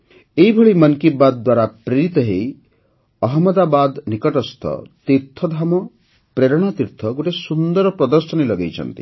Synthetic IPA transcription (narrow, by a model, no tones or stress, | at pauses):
ejbʱɔɭimʌnkibad̪d̪ːwaɾapɾeɾit̪ɔɦej | ɔɦɔmɔd̪abad̪nikɔʈɔst̪ʰɔ̰t̪iɾt̪ʰɔd̪ʱamɔ | pɾeɾɔɽ̃ɔt̪iɾt̪ʰɔɡoʈesund̪ɔɾɔpɾɔd̪ɔɾsɔnilɔɡejt͡ʃʰɔ̰nt̪ḭ